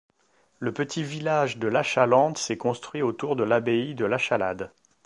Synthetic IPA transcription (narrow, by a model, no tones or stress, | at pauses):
ləpət̪ʰivilaʒd̪əlaʃalɑ̃d̪sɛkɔ̃st̪χɥiot̪uʁd̪əlabeid̪əlaʃala̰d̪